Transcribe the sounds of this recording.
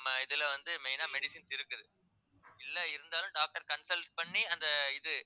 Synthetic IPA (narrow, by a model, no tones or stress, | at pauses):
mɐɪðɪlɐʋɐnd̪ɯmɛnaːmɛɽɪsɪnsɪɾɯkːɯðɯ | ɪlːɐɪɾɯnd̪aːlɯ̃mɖaːk̚ʈɐɾkɐɳsɐlʈ̚pɐɳːiɐnd̪ɐɪðɯ